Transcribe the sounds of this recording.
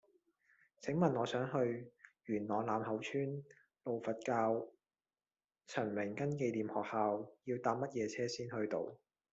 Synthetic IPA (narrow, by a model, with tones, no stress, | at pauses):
t͡sʰɪ˨˥ŋmɐ˨nɔː˨˧sœː˨˥ŋɦɵ˧ɥɥyː˨˩nnɔː˨˩ŋlaː˨˧mhɐ˨˥wt͡ʃʰyː˥n | lo˨wfɐ˨t̚kaː˧w | t͡sʰɐ˨˩nmɪ˨˩ŋkɐ˥nk̬e˧jliː˨mhɔː˨k̚haː˨˧wjiː˧wt̪aː˧p̚mɐ˥t̚jɛː˨˧t͡sʰɛː˥siː˥nhɵ˧ɥt̪o̰˧w